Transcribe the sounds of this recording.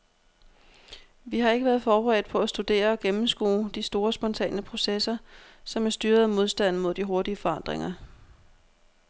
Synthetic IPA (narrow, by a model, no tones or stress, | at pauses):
ʋihɑ̈e̝ɡ̥əʋæːɐð̞̩ˠfɒːb̥əʁɛ̰ːd̥̚pʰɒ̽æsd̥ud̥e̝̰ːɐɒ̽ɡ̥emm̩sɡ̥ṵːd̥isd̥o̝ːɐsb̥ɒ̽nt͡sʰɛ̰ːnəpʰʁo̝sesɐ | sɒ̽mæɐsd̥yːɐð̩ˠmo̝ð̞ˠsd̥æn̰mo̝ð̞̰ˠd̥iɦo̝ɐd̥iəfɒ̽ɑ̈n̰d̥ʁeŋɐ